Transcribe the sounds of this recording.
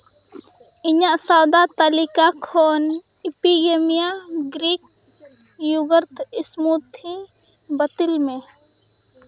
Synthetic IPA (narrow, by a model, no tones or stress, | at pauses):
ɪɲaʔsawd̪at̪əlikakʰoːnɪpiemijaɡɾiːk̚ | juɡəɾt̪ɪsmut̪ʰi | bət̪ɪlmẽ